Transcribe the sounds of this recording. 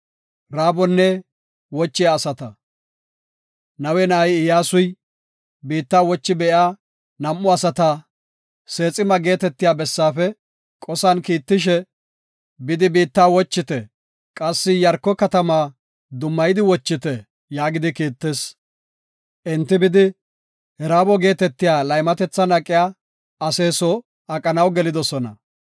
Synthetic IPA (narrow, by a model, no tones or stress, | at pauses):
ɾaːbɔnːɛ | wɔt͡ʃːɪjaːsɐt̪ɐ | nɐwɛnɐjɪjaːsʊj | biːt̪ːaːwɔt͡ʃːɪbɛʔjaː | nɐmːʊɐsɐt̪a | se̞ːt͡sʼːɪmɐɡe̞ːt̪ɛt̪ːɪjaːbɛsːaːfɛ | kʼɔsɐnkiːt̪ːɪʃɛ | bɪd̪ɪbiːt̪ːaːwɔt͡ʃːɪt̪ɛ | kʼɐsːɪjɐɾkːɔkɐt̪ɐmaː | d̪ʊmːɐjɪd̪ɪwɔt͡ʃːɪt̪ɛ | jaːɡɪd̪ɪkiːt̪ːeːs | ʔɪnt̪ːɪbɪd̪ɪ | hɛɾaːbɔɡe̞ːt̪ɛt̪ːɪjaːlɐjmɐt̪ɛt͡sːɐnɐkʼːɪjaː | ɐse̞ːsɔ | ɐkʼɐnɐwɡɛlɪd̪ɔsɔnɐ̰